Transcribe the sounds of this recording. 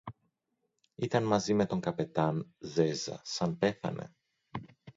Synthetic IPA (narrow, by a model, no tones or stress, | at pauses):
it̪ɐnmɐzime̞t̪o̞ŋkɐpe̞t̪ɐnze̞zɐ̰sɐnpe̞θɐ̰ne̞̰